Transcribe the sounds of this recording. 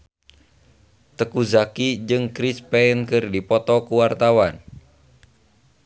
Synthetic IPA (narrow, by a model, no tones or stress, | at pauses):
t̪əkuzakid͡ʒɨŋkɾispɛnkɨrdipɔt̪ɔkuwart̪awan